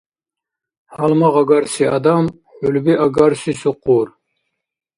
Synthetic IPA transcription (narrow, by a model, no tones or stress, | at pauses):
halmaʁɑɡaɾsiad̪am | ħulbiʔaɡaɾsisuquɾ